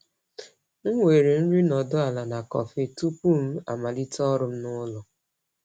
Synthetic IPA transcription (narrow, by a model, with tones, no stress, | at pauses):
ŋ̩˦ŋʷe˨ɾe˨n̩˦ɾi˦nɔ˨dʊ˦a˨la˨na˨kɔ̰˨fe˦tu˦pu˦˨m̩˦a̰˨ma˨li˦tɔ˦ɾʊ˦m̩˦nʊ˦lʊ˨